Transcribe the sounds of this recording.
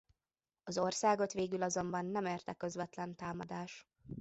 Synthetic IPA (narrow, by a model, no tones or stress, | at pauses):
ɒzo̞rsaːɡo̞t̪ʋeːɡylɒzo̞mbɒnːɛmeːrt̪ɛkø̞zvɛt̪lɛnt̪aːmɒd̪aːʃ